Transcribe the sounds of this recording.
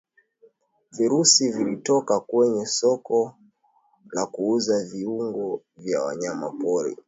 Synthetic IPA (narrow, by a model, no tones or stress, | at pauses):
viɾusivilitɔkakwɛɲɛsɔkɔ | lakuuzaviuŋɡɔ | vjawa̰ɲama̰pɔɾḭ